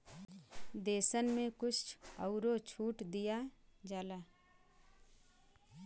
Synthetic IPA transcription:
d̪eːsənmẽkʊt͡ʃt͡ʃəʊɾot͡ʃʰuːʈd̪ijad͡ʒaːlaː

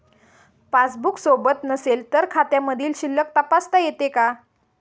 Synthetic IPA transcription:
pasbuksobət̪nəselt̪əɾkʰat̪jaməd̪ʱiːlɕilːək̚t̪əpast̪ajet̪eka

